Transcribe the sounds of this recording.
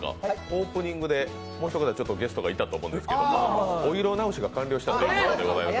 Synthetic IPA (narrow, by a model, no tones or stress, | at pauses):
a̰o̞ːpɯ̟ɲ̟ĩŋɡɯ̟d̪e̞ | mo̞ːɕʲçokat̪at͡ɕo̞t̪ːo̞ɡʲe̞sɨ̥t̪o̞ɡait̪ːat̪o̞ːmõ̞ːnd̪sɨ̥ke̞d̪omooiɾo̞naoɕiɡakãnʲɾʲo̞ɕi̥t̪and̪eiod̪eɡo̞zaimas